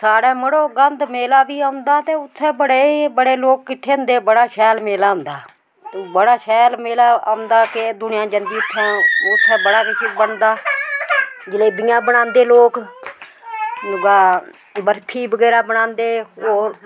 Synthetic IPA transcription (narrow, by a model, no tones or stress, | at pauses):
saːɽɛːməɽoːɡənd̪meːlaːbiːaːʊ̃nd̪aːt̪eːʊt̪ʰːɛ̃ːbəɽeːbəɽeːloːk̚ːɪʈʰːeːʊ̃nd̪eːbəɽaːʃɛːlmeːlaːʊ̃nd̪aː | bəɽaːʃɛːlmeːlaːaːʊ̃nd̪aːked̪ʊnɪjãːd͡ʒənd̪iːʊt̪ʰːɛ̃ːʊt̪ʰːɛ̃ːbəɽaːkɪt͡ʃːbəɳd̪aː | d͡ʒɪleːbiːãːbəɽ̃ãːnd̪eːloːk | ɡaː | bəɾpʰiːbəɡɛːɾaːbəɽãːnd̪eːoːɾ